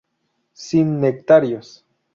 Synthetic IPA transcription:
sinːek̚t̪aɾjos

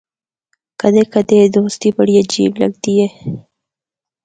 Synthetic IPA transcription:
kad̪ekad̪ed̪ost̪ibaɽijad͡ʒḭbla̰ɡd̪ije

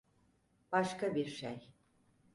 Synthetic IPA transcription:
b̥aʃkabiɾʃej

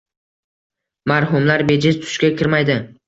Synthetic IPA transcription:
maɾɦʊmlaɾbe̞d͡ʒɪzt̪ʰʊ̥ʃkʲakʲʰɪɾmajd̪ɪ

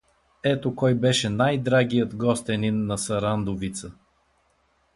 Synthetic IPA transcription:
ɛt̪okɔjbɛʃɛnajd̪ɾaɡijəd̪ɡɔst̪ɛninːɐsɐɾand̪ovit̪sə

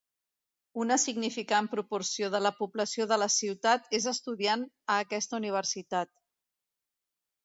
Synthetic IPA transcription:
unəsiɡnifikampɾupuɾsioð̞ələpubləsijoðələsiwt̪at̪ezəst̪uðian | əːkɛst̪əuniβ̞əɾsit̪at̪

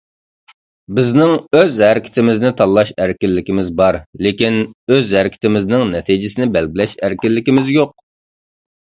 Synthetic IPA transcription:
bɪznɪŋøzhæɾɪkʲʰt̪ʰɪmɪznɪt̪ʰɑlˠːɑʃæɾkʲɪlːɪkʲimɪzbɑɾlekʲinøzhæɾɪkʲɪ̥t̪ʰɪmɪznɪŋnɛt̪ʰid͡ʒɪsɪnɪbɛlɡʲɪlɛʃæɾkʲɪlːɪkʲɪmɪzjoq̚

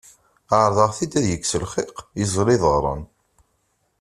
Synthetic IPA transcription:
aʕɾˤðˤɑʁθid̪æðjəkːsəlχɪqizˤliðˤəʁɾˤɑ̰n

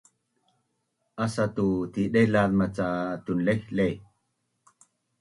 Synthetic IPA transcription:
ʔasat̪ut̪iɗejlaðmat͡sat̪unlehlej

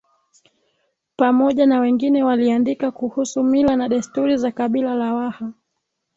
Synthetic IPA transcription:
pamɔʄanawɛŋɡinɛwaliandikakuhusumilanaɗɛstuɾizakaɓilalawaha

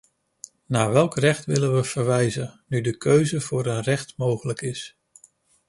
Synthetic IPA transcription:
naːɹʋɛlˠkrɛχtʋɪlənʋəv̥əɹʋɛjzənydəkʰøɥzəvʊːɾənrɛχtmowχələkɪs

